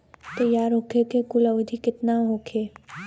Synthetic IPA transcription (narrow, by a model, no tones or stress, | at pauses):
t̪əjaːɾɦokʰekekʊləʋd̪ʱikɪt̪naɦokʰeː